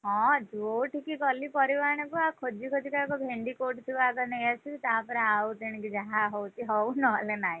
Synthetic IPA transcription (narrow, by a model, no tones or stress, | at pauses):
ɦɔ̃d͡ʒowʈʰikikɔlipɔɾibaɾɔɽ̃ɔkuakʰod͡ʒikʰod͡ʒikakɔbʱeɳɖikoʈt̪ʰiwaɡɔneasit̪apɔɾaawt̪eɽ̃ikid͡ʒaɦaɦowtʰiɦɔwnɔlenaɦĩ